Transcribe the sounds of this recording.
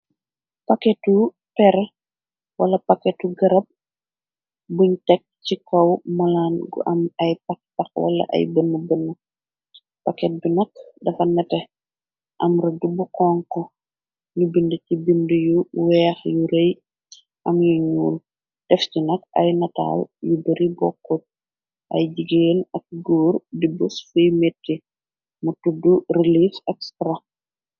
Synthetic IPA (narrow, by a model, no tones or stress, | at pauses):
pakɛtu | pɛɾ | wɐlɐpakɛtuɡɐɾɐp̚ | buɲtɛk̚cikɐwmɐlaːnɡṵʔɐmɐjpɐkpɐkwɐ̰lɐ̰ʔɐ̰jbənːəbənːə | pakɛt̚binɐk̚dɐfɐnɐtɛ | ʔɐmɾɐdubukɔːŋkɔ | ɲubindəcibindəjuwɛːxjuɾej | ʔɐmjuɲuːl | d̥ɛfcinɐkɐ̰jnɐta̰ːljubɐɾibɔkːot̚ | ʔɐ̰jɟiɡeːnɐk̚ɡuːɾdibusfujmetːi | mutudurelifɛkstɾa